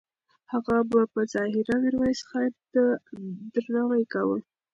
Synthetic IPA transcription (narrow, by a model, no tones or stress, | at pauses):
haɣabapəzɑhɪɾawiɾwajsə̥xad̪əd̪ɾnawajkawə